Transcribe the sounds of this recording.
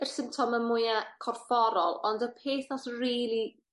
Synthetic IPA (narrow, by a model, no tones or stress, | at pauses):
ər̥sɪmptʰɔməmʊjakʰɔrfɔɾɔlˠɔndəpʰeːθnɔsriːlˠi